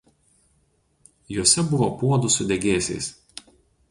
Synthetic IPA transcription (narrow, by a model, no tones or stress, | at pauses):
juɔsʲɛbʊʋopuɔd̪ʊsʊd̪ʲɛɡʲeːsʲɛ̰ɪs